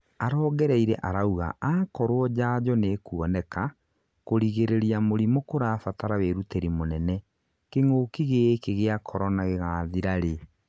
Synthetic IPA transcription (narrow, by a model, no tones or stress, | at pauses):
aɾɔːɡɛɾɛiɾɛ̰ʔaɾauɣa̰ʔaːkɔɾwɔd͡ʑaːd͡ʑɔneːkuɔnɛka | koɾiɣeɾeɾiamoɾimokoɾaːfataɾaweɾuteɾimonɛnɛ | keŋoːkiɣekeɣeakʰɔɾɔnaɣeɣaːðiɾaɾe